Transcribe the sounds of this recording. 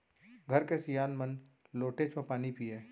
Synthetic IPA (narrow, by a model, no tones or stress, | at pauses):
ɡʱɐɾkesijaːnmən | loːʈeːd͡ʒpɐpaːnipieː